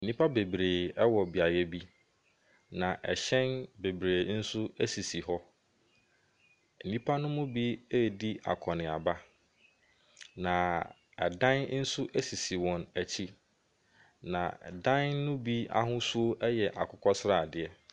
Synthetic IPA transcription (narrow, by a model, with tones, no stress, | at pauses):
nĩ˦pʰa˦be˨bɾeː˨ɛ˦wɔ˨bi˨a˨jɛ˦bi˦ | nã˨ʔɛ̰˨ɕɛ̃˦nbe˨bɾeː˨n̩˦sʊ˦æ˦si˨si˨hɔ˦˨ | nĩ˦pʰa˦nʊ̃˦mʊ̃˦bi˦e˦˨di˦a̰˨kʰɔ˨nɪ̃˨a˨ba˦ | nã˨ | ɛ̰˨dã˦nn̩˦sʊ˦ʔæ˦si˨si˨wɔ̃˨næ˨t͡ɕʰi˦ | nã̰˨dã˦nːʊ̃˦bi˦a̰˦ɦʊ̃˦su˦o˦ʔɛ˦jɛ˨ʔa̰˨kʰʊ˦kʰɔ˦sɾa˨dɪ˨ɛ˦